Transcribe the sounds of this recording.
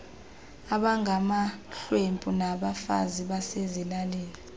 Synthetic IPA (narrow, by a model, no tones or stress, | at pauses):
aɓaŋɡʱamaɬwempʼunaɓafa̰ziɓasezilaleːli